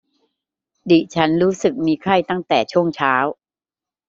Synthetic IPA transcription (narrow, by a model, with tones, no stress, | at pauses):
di˨˩t͡ɕʰa˦˥nɾuː˦˥sɯ˨˩k̚miː˧kʰa˥˩jt̪a˥˩ŋt̪ɛː˨˩t͡ɕʰu˥˩əŋt͡ɕʰaː˦˥w